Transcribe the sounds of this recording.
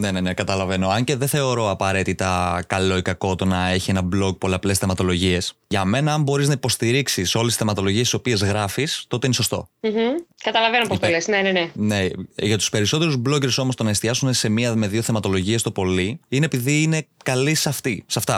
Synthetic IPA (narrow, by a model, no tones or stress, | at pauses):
ne̞nene̞kɐt̪ɐlɐve̞no̞ɐɲceðeθe̞o̞ɾo̞ɐpɐɾe̞t̪it̪ɐkɐlo̞ikɐko̞t̪onɐe̞çie̞nɐblo̞ɡ̚poleɐple̞sθemɐt̪o̞lo̞ʝie̞sʝɐme̞nɐːmbo̞ɾiznɐipo̞st̪iɾiksiso̞lesi̥sθemɐt̪o̞lo̞ʝiesiso̞pie̞zɣɾɐfist̪o̞t̪e̞ineso̞st̪o̞̰m̩ɦ̩kɐt̪ɐlɐvenopost̪lesnenenene̞ʝɐt̪u̥spe̞ɾiso̞t̪eɾuzblo̞ce̞ɾso̞mo̞st̪o̞nɐest̪iɐsune̞se̞miɐme̞ðioθe̞mɐt̪o̞lo̞ʝie̞st̪o̞po̞liinepiðiːne̞kɐlisɐft̪isɐft̪ɐ